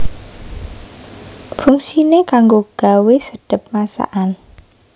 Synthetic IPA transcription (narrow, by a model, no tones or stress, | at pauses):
fʊŋsinekaŋɡoɡ̥a̤wesəɖ̥ə̤p̚masa̰ʔan